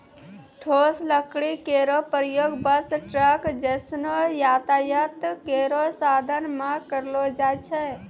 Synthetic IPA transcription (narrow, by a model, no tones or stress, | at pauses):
ʈʰosləkɽikeːɾopɾəjoːɡbəsʈɾəkd͡ʒɛsnojaːt̪ajət̪keɾosaːd̪ʱənmãkəɾlod͡ʒat͡ʃʰɛ